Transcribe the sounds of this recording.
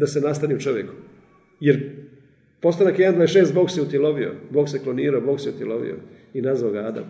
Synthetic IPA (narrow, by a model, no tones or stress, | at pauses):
d̪asenast̪aniut͡ʃo̞ʋjeku̥ | jeɾ | po̞st̪anakjeand̪aːjesʃeːst̪bo̞ɡseut̪iloʋio̰boːɡsekloniːɾaobo̞ɡseut̪iloʋḭjo̰ | inazʋaoɡaːd̪a̰m